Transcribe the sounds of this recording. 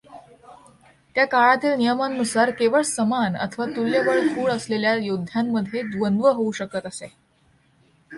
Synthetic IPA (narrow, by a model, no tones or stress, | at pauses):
t̪jakaɭat̪iːlnijəmannusaɾkeʋəɭsəmanə̰t̪ʰəʋat̪uljəʋəɭt̪ʰuːɭəsleljajod̪ʱːjamːəd̪ʱːjed̪ʋənd̪ʋəɦouɕəkət̪əse